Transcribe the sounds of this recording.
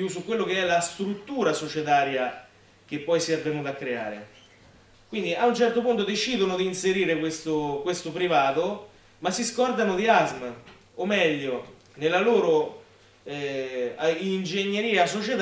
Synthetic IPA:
usukːwelːokeɛlast̪ɾut̪ːuːɾasot͡ʃet̪aːɾja | k̟epːɔjsɛrvenud̪akːɾea̰ːɾḛ | kwind̪iʔaunt͡ʃɛrt̪opunt̪od̪et͡ʃiːd̪onod̪iːnseɾiːɾekwest̪okwest̪opɾivaːt̪o | masːiskɔrd̪anod̪iazm | omːɛʎːo | nelːaloːɾo | ind͡ʒeɲːeɾiːasot͡ʃet̪

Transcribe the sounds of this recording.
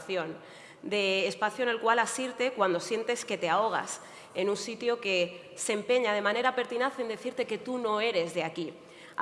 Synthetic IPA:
θjo̞n | d̪e̞ːspaθjone̞lkwalasiɾt̪e̞kwand̪o̞sje̞nt̪e̞ske̞t̪eao̞ɣ̞a̰s | e̞nunsit̪jo̞ke̞ | se̞mpe̞ɲað̞e̞mãne̞ɾape̞ɾt̪inaθe̞nd̪e̞θiɾt̪e̞ke̞t̪uno̞e̞ɾe̞zðe̞aki

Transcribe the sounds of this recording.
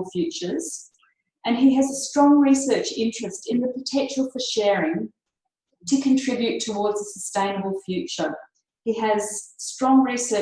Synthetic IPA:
fjʉˑt͡ʃə˞z̥ | ʔɨ̃niɨzəstɹ̥ɔ̃ŋɹisɜˑ˞t͡ʃɪ̃nt͡ʃɹ̥ɨstɨ̃nðəpʰətʰɛ̃nʃl̩ˠfəʃɛɹɪ̃ŋ | tʰɨkʰɨ̃ntʰɹ̥ɪbjʉtʰəwɔɹdzəsəstẽɪ̃nəbəl̩ˠfjʉt͡ʃə˞ | iɨz̥stɹ̥ɔ̃ŋɹisɜ˞

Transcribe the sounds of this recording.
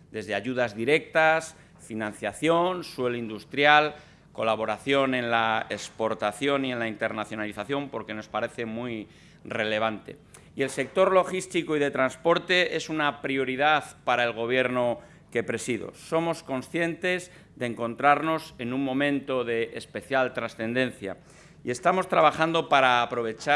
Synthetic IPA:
d̪e̞zðe̞aʝuð̞azðiɾe̞kt̪as | finãnθjaθjo̞nswe̞loind̪ust̪ɾjal | ko̞laβ̞o̞ɾaθjo̞nẽ̞nlaekspo̞ɾt̪aθjo̞nie̞nlaint̪e̞ɾnaθjo̞naliθaθjo̞mpo̞ɾke̞no̞spaɾe̞θe̞mwij | re̞le̞β̞ant̪e̞̰ | ie̞lse̞k̚t̪o̞ɾlo̞xist̪ikoiðe̞t̪ɾanspo̞ɾt̪e̞ʔe̞sunapɾio̞ɾiðaðpaɾae̞lɣ̞o̞β̞je̞ɾno̞ | ke̞pɾe̞siðo̰so̞mo̞sko̞nsθje̞nt̪e̞z | ðeːŋkõ̞nt̪ɾaɾno̞se̞nũŋmõ̞mẽ̞nt̪o̞ðe̞ʔːspe̞θjalt̪ɾasθe̞nd̪ẽ̞nθja̰ | ie̞st̪amo̞st̪ɾaβaxand̪o̞paɾaːpɾo̞β̞e̞t͡ʃa

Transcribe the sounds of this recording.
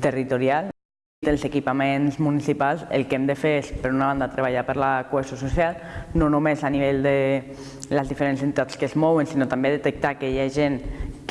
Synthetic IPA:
t̪ərit̪uɾial | t̪əlzekipamẽnzmunisipalˠsḛlˠkemd̪əfeɾespəɾunaβand̪at̪ɾeβ̞aʎapəɾlakuesjosusjalˠnonumezaniβ̞eʎd̪e | ləzðifeɾensent̪it̪at̪skəzmɔwənsinot̪ambeðet̪ək̚t̪aːkɛʎaʒenk

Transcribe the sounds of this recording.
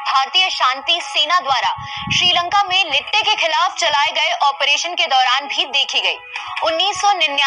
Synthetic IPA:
bʱaːɾt̪ijəʃãːnt̪iseːnad̪waːɾa | ʃɾiːlə̃ŋkamẽlɪʈːekexɪlaːft͡ʃɐlaːeɡɐeʔɔːpɾeːʃənked̪ɔːɾaːnbʱid̪eːkʰiɡɐḭːʊnːiːsːɔnɪnja

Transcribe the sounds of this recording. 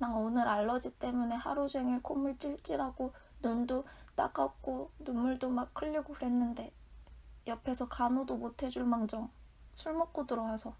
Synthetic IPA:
naŋonɯɾaɭːʌd͡ʑit͈e̞mune̞ha̰ɾod͡ʑe̞ŋiɭkʰomɯɭt͡ɕ͈iɭt͡ɕ͈iɾaɡonondot͈a̰ɡ͈ak͈onumːuɭdomakʰɯʎːiɡoɸɯɾe̞nːɯnde̞ | jʌpʰe̞sʰʌkanodomotʰe̞d͡ʑuɭmaŋd͡ʑʌŋ | sʰuɭmok̚k͈odɯɾʌɦasʰʌ

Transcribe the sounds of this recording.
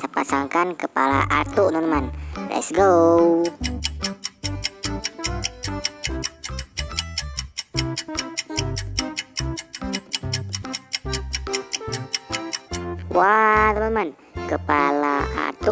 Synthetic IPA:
səpasaŋkankəpala̰ʔat̪uʔnunmanrɛ̰sɡəw | wannunman | kəpalaa̰t̪u

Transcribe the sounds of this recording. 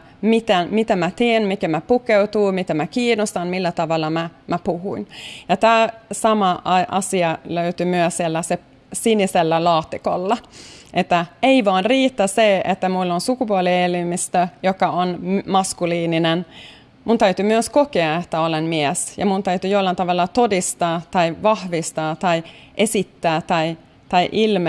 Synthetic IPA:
mit̪enmit̪æmæt̪iːnmikemæpukeut̪uːmit̪æmækiːnost̪ɑnmilːæt̪ɑʋɑlːˑɑmæmæpuhuinjɑt̪æːsɑmɑʔɑʔɑsiɑløyt̪ymyøsiɛlːæse | siniselːælɑːt̪ːiko̰lːɑʔet̪ːæeiʋɑːnriːt̪ːæseḛt̪ːæmulːonsukupuolielimist̪øjokɑonmmɑskuliːninen | munt̪æyt̪ymyøskokeɑet̪ːæolenmiɛsjɑ̰munt̪æyt̪yjolːɑnt̪ɑʋɑlːɑt̪odist̪ɑːt̪ɑiʋɑhʋist̪ɑːt̪ɑiʔesit̪ːæːt̪ɑi | t̪ɑiʔilm

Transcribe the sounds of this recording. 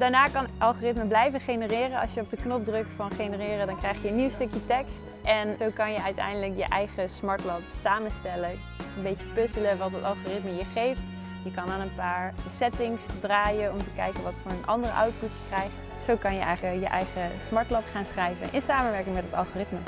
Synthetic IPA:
d̥aːɹnaːkɑntʔɑlˠχoːrɪtməblɛjvəχejnərɪːrənɑ̰sjəɔb̚dəknɔp̚drɵkfɑnχenərɪːrədɑnkrɛjχjəənːiwstɵkjətɛkst | ʔɛnzowkɑnjəœɥtɛ̰jndələkjə̰ʔɛjχəsmɑɹtlɑtsaːmənstɛlə | ənbejt͡ʃəpɵsələʋɑtətɑlˠχoːrɪtməjəχejft | jəkɑnaːnənpaːɹsɛtɪŋsdraːjənɔmtəkɛjkənʋɑtfʊːɹənʔɑ̰ndərəʔɑ̰wtputjəkrɛjχt | sowkɑnjəɛ̰jχəjə̰ʔɛjχəsmɑɹtlɑtχaːnsχrɛjvə̰nʔɪnsaːmənʋɛɹkɪŋmɛtɦətɑlˠχoːrɪtmə

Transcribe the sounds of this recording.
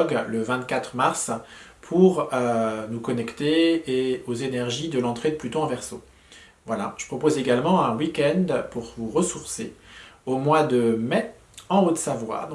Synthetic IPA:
ɡləvɛ̃t̪kʲat̪χmaʁs | pʰuʁønukɔnɛkt̪eː | ozenɛʁʒid̪əlɑ̃t̪χed̪plyt̪oɑ̃vɛʁso | vwala̰ʒ̥ə̥pχɔpozeɡalmɑ̃ɛ̃wikʲɛnd̪puʁvuʁəsuʁseomwad̪əmɛ | ɑ̃ot̪savwa̰d̪̃

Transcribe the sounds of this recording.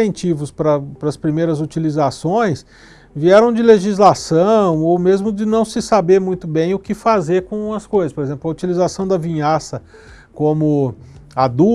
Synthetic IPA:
ẽnt͡ʃivʊspɾɐpɾɐspɾimejɾɐzut͡ʃilizasõj̃s | viɛɾɐ̃w̃d͡ʒɪleʒizlasɐ̃w̃owmezmʊd͡ʒɪnɐ̃w̃sɪsabeɾmũj̃t̪ʊbẽj̃ʊkɪfazeɾkõɐskojzɐspoɾezẽplɐut͡ʃilizasɐ̃w̃d̪ɐvĩɲasɐ | kõmʊad̪u

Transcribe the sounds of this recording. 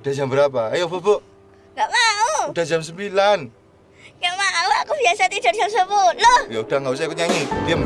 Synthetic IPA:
ud̥ahd͡ʒambəɾap̬aːjofoboʔ | ŋɡaʔmauud̥a̤hd͡ʒams̬əmbilan | jaŋmauakubiasat̪id̥ard͡ʒamsəbulohjaud̥aŋɡaus̬aakuɲaŋidiam

